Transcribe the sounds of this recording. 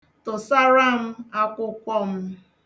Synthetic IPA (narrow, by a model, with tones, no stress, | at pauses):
tʊ˨sa˦ɾa˦m̩˦a˦kʷʊ˦kʷɔ˦m̩˦